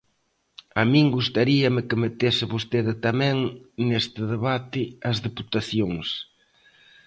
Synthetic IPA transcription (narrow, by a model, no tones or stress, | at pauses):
amĩŋɡust̪aɾiɐmɪkɪmet̪esɪβost̪eðɪt̪amɛ̃ŋnest̪ɪðeβat̪ɪɐzðeput̪aθjoŋs